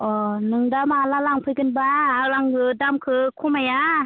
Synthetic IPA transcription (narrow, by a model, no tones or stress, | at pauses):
ʔɔːnɯŋdamalalaŋpʰɯkɯnbaalaŋɡɯdamkʰɯkʰumaja